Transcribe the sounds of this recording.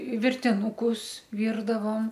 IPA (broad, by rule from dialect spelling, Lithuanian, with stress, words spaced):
ʋʲɪrʲtʲɪnuːˈkʊs ˈʋʲiːrdɐʋoːm